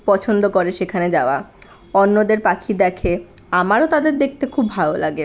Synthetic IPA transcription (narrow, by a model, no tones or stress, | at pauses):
pɔt͡ɕʰond̪okoɾeʃekʰaned͡ʑaoa | ɔnːod̪eɾpakʰid̪ɛkʰeamaɾot̪ad̪eɾd̪ek̚t̪ekʰubːʱalolaɡe